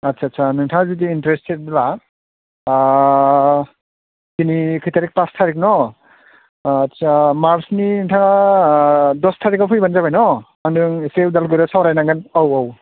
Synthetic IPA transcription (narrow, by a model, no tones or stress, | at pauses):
atsʰatsʰanɯŋtʰaŋazidiːntɾestet̚la | kinikʰɯjtaɾik̚pastʰaɾik̚nɔ | tsamaɾsninɯŋtʰaŋa | dɔstʰaɾikapʰɯjbanzabajnɔ | andɯŋsewdalɡɯɾɔsawɾajnaŋɡɯnawaw